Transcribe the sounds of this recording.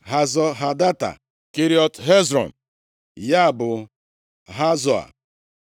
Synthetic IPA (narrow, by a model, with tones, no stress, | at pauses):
ɦa˨zɔ˦ɦa˨da˦ta̰˨ | ki˦ɾi˦ɔ˦tɦe˦zɾɔ̰˨n | ja˦˨bʊ˨ | ɦa˦zɔ˨a̰˨